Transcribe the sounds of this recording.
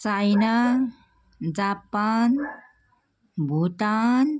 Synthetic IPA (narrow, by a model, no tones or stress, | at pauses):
t͡sajna | d͡zapan | bʱuʈan